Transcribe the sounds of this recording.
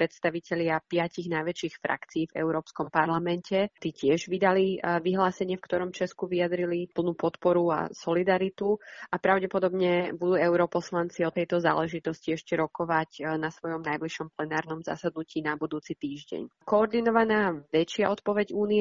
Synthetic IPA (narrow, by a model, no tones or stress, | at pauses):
pɾɛt̪st̪aʋicɛʎɪapɪaciɣnajʋɛt͡ʃiːxfɾʔa̰kt͡siːvɛ̰ʊɾɔːpskɔmpaɾlamɛncʰɛt̪icɪɛʒʋid̪aliʋiɦlaːsɛɲɪɛfkt̪ɔɾɔmt͡ʃɛskuʋiad̪ɾilipl̩nuːpɔt̪pɔɾua̰sɔlid̪aɾit̪uʔapɾaʊɟɛpɔd̪ɔbɲɛbud̪uːɛʊɾɔpɔslant͡siɔt̪ɛjt̪ɔza̰ːlɛʒit̪ɔsciɛʃcɛɾɔkɔʋacnasʋɔjɔmnajbliʃɔmplɛnaːɾnɔmza̰sad̪nuciːnabud̪uːt͡sit̪iːʒɟɛ̰ɲkɔːɾd̪inɔʋanaːʋɛt͡ʃɪaɔt̪pɔʋɛɟuːniɛ